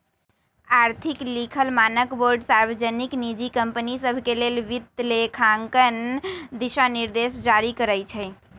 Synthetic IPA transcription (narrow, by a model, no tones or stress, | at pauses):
aɾt̪ʰiklikʰəlmanəkboɾɖsaɾbəd͡ʒəniknid͡ʒikəmpənisəbʱkelelʋit̪ːlekʰaŋkənd̪isaniɾd̪esd͡ʒaɾikəɾəjt͡ʃʰɛj